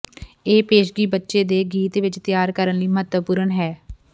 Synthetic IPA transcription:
eːpeːʃɡiːbətːʃeːd̪eːɡiːt̪ʋɪt͡ʃt̪ɪjaːɾkəɾənliːməɦət̪əpuːɾənɦɛː

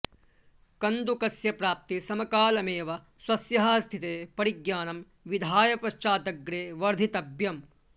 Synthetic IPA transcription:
kɐnd̪ukɐsjɐpɾaːp̚t̪isɐmɐkaːlɐmeːʋɐ | swɐsjɐɦɐːst̪ʰit̪eːpɐɾiɡjaːnɐm | ʋid̪ʱaːjɐpɾɐʃt͡ʃaːd̪ɐɡɾeːʋɐɾd̪ʱit̪ɐbjɐm

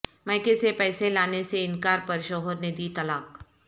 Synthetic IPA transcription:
maːkesepɛːselaːneseɪnkaːɾpɐɾʃɔːɦəɾned̪iːt̪ɐlaːk

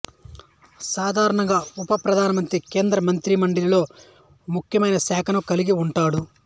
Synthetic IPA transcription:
saːd̪ʱaːɾɐɳɐŋɡaːupɐpɾɐd̪ʱaːnɐmɐnt̪ɾike̞ːnd̪ɾɐmɐnt̪ɾimɐɳɖilɐlo̞ː | mukʰjɐmɐjnɐsɛːkʰɐnɐkɐliɡiuɳʈaːɽu

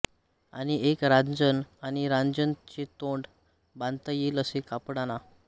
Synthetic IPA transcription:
añiekɾãnd͡zənaniɾand͡zənt͡ɕet̪oɳɖ | bãnt̪əjiːləsekapɽana

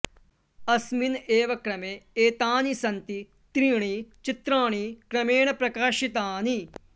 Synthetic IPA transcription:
ɐsmineːʋɐkɾɐmeːeːt̪aːnisɐnt̪i | t̪ɾiːɳ̃it͡ʃɪt̪ɾaːɽ̃ikɾɐmeːɳ̃ɐpɾɐkaːʃit̪aːni

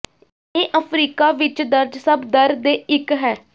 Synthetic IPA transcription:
eːʔəpʰɾiːkaːʋɪt͡ʃd̪əɾd͡ʒsəbd̪əɾd̪eːɪkɦɛː

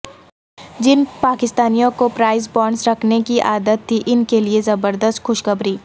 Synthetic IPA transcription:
d͡ʒɪnpaːkɪst̪aːnijõkopɾaːɪz̬bɔːɳsɾɐkʰnekiʔaːd̪ət̪ʰːiʔɪnkeliezɐbəɾd̪əst̪xʊʃkɐbɾiː

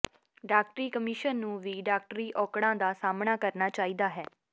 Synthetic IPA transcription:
ɖaːk̚ʈɾiːkəmɪʃənːũːʋiːɖaːk̚ʈɾiːʔɔːkɽ̃ãːd̪aːsaːmnaːkəɾnaːt͡ʃaːiːd̪aːɦɛː

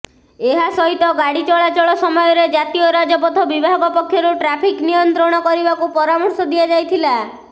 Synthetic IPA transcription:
eɦasɔɦit̪ɔɡaɽit͡ʃɔɭat͡ʃɔɭɔsɔmɔjɔɾed͡ʒat̪ijɔɾad͡ʒɔpɔt̪ʰɔbibʱaɡɔpɔkʰːjɔɾuʈɾapʰiknijɔnt̪ɾɔɽ̃ɔkɔɾibakupɔɾamɔɾsɔd̪iad͡ʒajt̪ʰila

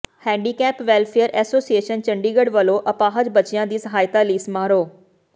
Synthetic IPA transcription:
hɛ̃ːɳɖiːkɛːpʋɛːlpʰeəɾɛːsoːsieːʃənt͡ʃəɳɖiːɡəɖʋəloːʔəpaːɦəd͡ʒbət͡ʃɪjãːd̪iːsəɦaːjt̪aːliːsmaːɾoː

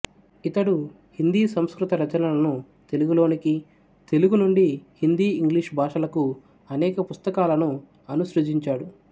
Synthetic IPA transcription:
it̪ɐɽu | hind̪iːsɐmskɾut̪ɐɾɐt͡ʃɐnɐlɐnu | t̪e̞luɡulo̞ːniki | t̪e̞luɡunuɳɖihind̪iːŋɡliʂbʱaːʂɐlɐku | ɐnɛːkɐpust̪ɐkaːlɐnu | ɐnuʃɾud͡ʒiɲt͡ʃaːɽu

